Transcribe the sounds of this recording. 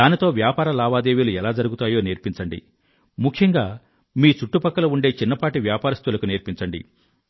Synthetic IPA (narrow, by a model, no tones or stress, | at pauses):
d̪aːnit̪o̞ːʋjaːpaːɾɐlaːʋaːd̪e̞ːʋiluɛlaːd͡ʒɐɾuɡut̪aːjo̞ːneːɾpiɲt͡ʃɐɳɖḭ | mukʰjɐŋɡaː | miːt͡ʃuʈːupɐkːɐlɐuɳɖe̞ːt͡ʃinːɐpaːʈiʋjaːpaːɾɐst̪ulɐkuneːɾpiɲt͡ʃɐɳɖḭ